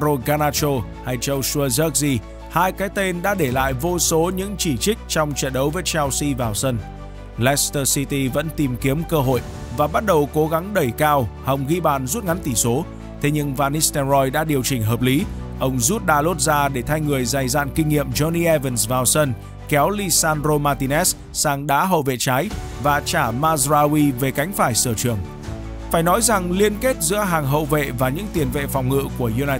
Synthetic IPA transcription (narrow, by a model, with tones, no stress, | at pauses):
o˧ɣaː˧naː˧t͡ɕo˧ha˧jt͡ɕə˧wsə˧zə˦˥k̚zi˧ | haː˧jkaː˨˦jt̪e˧nɗa̰ː˧˥ɗe˧˩la̰ː˧˨jvo˧so˨˦ɲɨ̰˧˥ŋt͡ɕi˧˩t͡ɕï˦˥k̟̚t͡ɕɔ˧wŋ͡mt͡ɕə̰ː˧˨nɗə˨˦wvəː˨˦jt͡ɕa˧wsi˧vaː˨˩wsə˧n | lɛ˦˥st̪əː˧si˧t̪i˧və̰˧˥nt̪i˨˩mki˨˦əmkəː˧ɦo̰˧˨j | vaː˨˩ɓa˦˥t̚ɗə˨˩wko˨˦ɣa˨˦ŋɗə˧˩jkaː˧whə˨˩wŋ͡mɣi˧ɓaː˨˩nzu˦˥t̚ŋa˨˦nt̪i˧˩so˨˦ | t̪ʰe˨˦ɲɨ˧ŋvaː˧ni˦st̪ɛ˧nzɔ˧jɗa̰ː˧˥ɗi˨˩əwt͡ɕï˧˩ŋ̟ɦəː˨˩p̚li˨˦ʔə˧wŋ͡mzu˦˥t̚ɗaː˧lo˦˥t̚zaː˧ɗe˧˩t̪ʰa˧jŋɨ˨˩əjza˨˩jza̰ː˧˨nkï˧ŋ̟ŋḭ˧˨əmzɔ˧ni˧ʔɛ˧və˨˧˩nsvaː˧wsə˧n | kɛ˨˦wli˧saː˧nzo˧maː˧t̪i˧nɛ˦˥s | saː˧ŋɗa̰ː˨˦˥ɦə̰˧˨wvḛ˧˨t͡ɕaː˨˦j | vaː˨˩t͡ɕaː˧˩maː˧zzaː˧wi˧ve˨˩ka˨˦jŋ̟faː˧˩jsəː˧˩t͡ɕɨ˨˩əŋ | faː˧˩jnɔ˨˦jza˨˩ŋli˧ənke˦˥t̚zɨ̰˧˥əɦaː˨˩ŋɦə̰˧˨wvḛ˧˨vaː˨˩ɲɨ̰˧˥ŋt̪i˨˩ənvḛ˧˨fɔ˨˩wŋ͡mŋɨ̰˧˨ku˧˩əʔu˧naː˧